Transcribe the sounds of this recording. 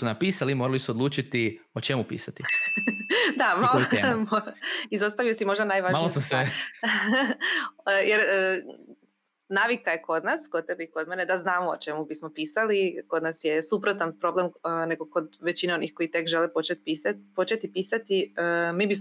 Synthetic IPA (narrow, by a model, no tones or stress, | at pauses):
unapiːsalimoɾalisuod̪lˠuːt͡ʃit̪i | ot͡ʃemupḭːsat̪i | d̪amalomoizo̞st̪aʋijosimo̞ʒd̪anajʋaʒmanlisasʋe | jeɾə | naːʋikajeko̞d̪naskod̪̚t̪ebiko̞d̪mene̞d̪aznaːmoot͡ʃe̞mubismopiːsaliko̞d̪nasje̞supɾot̪anpɾo̞blemneɡoko̞d̪ʋe̞t͡ɕineo̞nixko̞it̪e̞kʒelepot͡ʃet̪pisapo̞t͡ʃe̞t̪ipisat̪iəmiːbis